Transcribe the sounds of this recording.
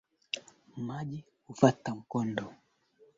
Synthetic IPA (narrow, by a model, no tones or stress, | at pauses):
maʄi | hufatam̩kɔndɔ